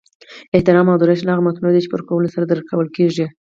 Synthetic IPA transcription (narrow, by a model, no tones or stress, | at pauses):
ɪht̪ɪɾɑmawd̪ɾaʃlhaɣamat̪nud̪et͡ʃe̥pəɾkawəlosaɾad̪əɾkʰawəlkeʐi